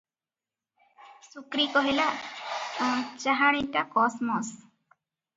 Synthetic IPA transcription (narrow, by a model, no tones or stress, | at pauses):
sukɾikɔɦilaʔɔ̃t͡ʃaɦaɽ̃itakɔsmɔs